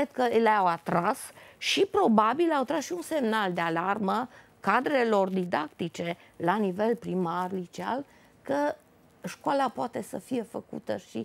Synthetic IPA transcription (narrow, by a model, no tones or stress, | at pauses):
ed̪̚kəleawat̪ɾasʃipɾo̞babilawt̪ɾasʃiunse̞mnald̪ealarmə | kad̪ɾe̞lo̞rd̪id̪akt̪it͡ʃe̞ | lanive̞lpɾimarlit͡ʃia̰l | kə | ʃkoalapoat̪e̞səfije̞fəkṵt̪əʃi